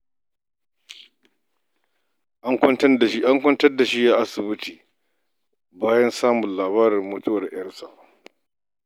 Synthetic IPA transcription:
ʔa˦ŋkʷɐ˦ntɐ˦˨ʃi˦ʔa˦ŋkʷɐ˦ntɐ˦rda˨ʃi˦jaː˦ʔa˦sɪ˨bɪ˦tiː˨ | baː˦jɐ˦nsaː˦mʊ˨nlaː˨βaː˦ɾɪ˨rmʊ˦tʊ˦wɐ˨rj̰ɐ˦rsa̰˨ʔ

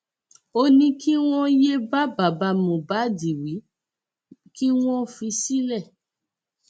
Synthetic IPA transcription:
o˧nĩ˧kʰi˦w̃ɔ̃˦je˦ba˦ba˨ba˧mõ˨ba˨˦di˨wi˨˦ | ki˦w̃ɔ̃˦fi˧si˦lɛ˦˨

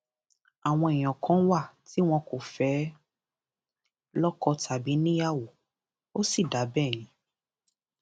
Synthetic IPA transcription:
a˨w̃ɔ̃˧e˨j̃ɔ̃˨kʰɔ̃˨˦wa˦˨ti˨˦w̃ɔ̃˧ko˨fɛ˨˦ | lɔ˦kɔ˧tʰa˨bi˨˦nĩ˦ja˦˨wo˨ | o˦si˦˨da˨˦bɛ˦˨j̃ĩ˨˦

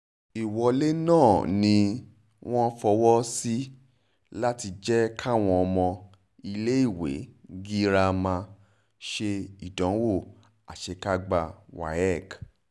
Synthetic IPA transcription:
i˨wɔ˨˧le˦nãː˦˨nĩ˧ | w̃ʔɔ̃˦fɔ˧wɔ˦si˦ | la˦ti˧d͡ʒɛ˦kʰa˦˨w̃ɔ̃˧ɔ˧mɔ̃˧ | i˧le˦i˦˨wḛ˨˦ɡi˦ɾa˧mã˧ | ʃe˧i˨dɔ̃˨˦wo˦˨ | a˨ʃe˧ka˦ɡ͡ba˧wa̰˨ɛ˦˨k

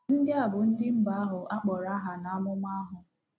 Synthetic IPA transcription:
n̩˦dɪ˦a˨bʊ˨n̩˦dɪ˦m̩˦ba˨a˦ɦʊ˨ʔa˦k͡pɔ˨ɾa˦ɦa˨na˨a˦mʊ˦ŋʷa˦a˦ɦʊ˨

